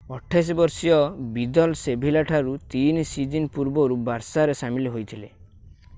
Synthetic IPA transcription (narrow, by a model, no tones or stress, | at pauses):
ɔʈʰajs̬ɔbɔɾsijɔbid̪ɔlsebʱilaʈʰaɾut̪insid͡ʒinpuɾbɔɾubaɾsaɾesamiliɦojt̪ʰile